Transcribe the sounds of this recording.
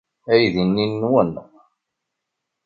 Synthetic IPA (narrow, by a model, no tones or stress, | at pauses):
æjðinːinːwənːə